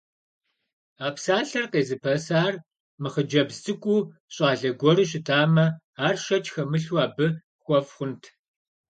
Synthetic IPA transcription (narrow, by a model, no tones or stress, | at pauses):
aːpsaːɬɐrqeːzɨpʰɐsaːr | mɨχəd͡ʒɐbztʰɨkʷʼuːɕʼaːɮɐɡʷɔɾɨɕ̬ʼɪtʰaːmɐ | aːrʃɐt͡ʃʼxɐmɨɬwaːbɨ | xʷɔfχʷʊntʰ